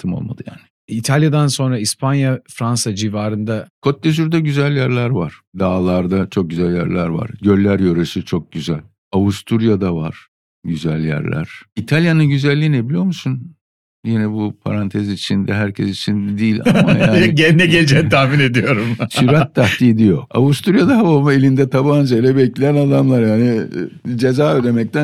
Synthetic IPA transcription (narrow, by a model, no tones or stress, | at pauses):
t̪ʰɯmo̞̰lˠma̰d̪ɯjaːnɪ | it̪ʰalʲjad̪anso̞nɾaispʰanjafɾansad͡ʒivaːɾɯnd̪akʰo̞t̪ːezyɾd̪ɛɟyzælʲjæɾlʲæɾvaɾ̥d̪aːlˠaɾd̪at͡ʃʰo̞k̚ɟyzælʲjæ̰ɾlʲæɾva̰ɾɟø̞lʲːæɾjøɾeʃit͡ʃʰo̞k̚ɟyzælʲ | avust̪ʰuɾjad̪ava̰ɾ̥ | ɟyzælʲjæ̰ɾlʲʔæ̰ɾ̥it̪ʰalʲjanɯnɟyzælʲːiːnebilʲijo̞musun | jinɛbupʰa̰ɾant̪ʰezit͡ʃʰind̪ɛɦæɾcʰɛsit͡ʃʰind̪iːlʲa̰majaːɟenɛɟelʲd͡ʒɛnt̪ʰahmine̞d̪ijo̞ɾumʃyɾat̪ʰːaht̪ʰid̪ijo̞avust̪ʰuɾjad̪aɦavamaelʲind̪ɛt̪ʰaband͡ʒajlʲɛbɛclʲejænad̪amlˠaɾjaːnid͡ʒe̞zaːød̪e̞mɛc̚t̪ʰæ